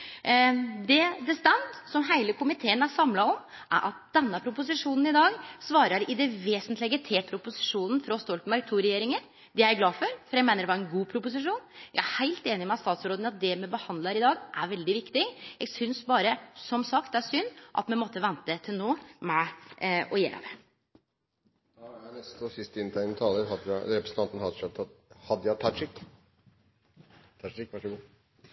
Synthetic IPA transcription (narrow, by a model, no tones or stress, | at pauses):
d̪ɛd̪ɛst̪ɛmt̪sɔmɦæɪləkʰʊmɪt̪ʰeːənæʂɑmlɑɔ | ʔæ̰ɾʔɑt̪̚d̪̥ɛnːəpʰɾʊpʊs̬ɪʂuːnn̩ɪd̪ɑːɡsʋɑːɾəɾɪd̪ɛʋeːsənt̪lɪɡət̪ʰeːpʰɾʊpʊsɪ̥ʂuːnn̩fɾɔst̪ɔlt̪mɛɾɡt̪ʰuːɾɛjeːɾɪŋəɾ | d̪ɛæɡlɑːfɔɾfɔɾjæɡmæɪnəɾɛʋɑɾɛnɡuːpʰɾʊpʊsɪʂuːnjæ̰ɡæhæɪlt̪eːnɪmɛɑt̪st̪ɑːt̪sɾoːd̪nɑt̪̚d̪ɛmɛbəhɑnd̪lɑɾɪd̪ɑːɡʔæɾʋɛld̪ɪʋɪkt̪ɪjæɡsʏnsbɑːɾəsɔmsɑkt̪æsʏnːʔɑ̰t̪mɛnmɔt̪ːəʋɛnt̪ət̪ʰɪlnoːmɛʔɔjḛːɾ̰ʋɛ | d̪ɑjænɛst̪ɔsɪst̪əɪnt̪ʰæɪnt̪ʰɑːləɾɦɑd̪ɾɛpɾəsn̩ɑnt̪n̩hɑd̪ʂɑt̪ʰːɑhɑd̪əjæt̪ʰɑt̪ʂɪkː | t̪ʰɑʂɪkʋɑʂəɡuː